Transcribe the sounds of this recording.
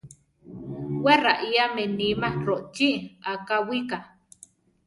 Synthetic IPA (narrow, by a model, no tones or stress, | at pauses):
weraʔiamenimaroʔt͡ʃiʔakawika